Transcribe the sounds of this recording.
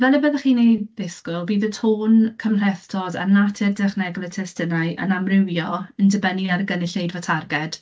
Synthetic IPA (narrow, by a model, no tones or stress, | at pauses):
vɛlɛbəːðəχiːnejðɪskʊlˠbiːðətʰoːnkʰəmr̥ɛθtʰɔda̰natʰɪrdɛχnɛɡɔlˠətʰɛstənaɨʔə̰namrɪwjɔəndəbəniarɡənɪɬejdvatʰarɡɛd̥